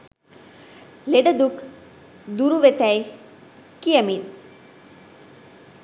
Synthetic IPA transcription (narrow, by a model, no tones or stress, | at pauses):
leɖɐd̪uk | d̪uɾuʋet̪æj | kijəmin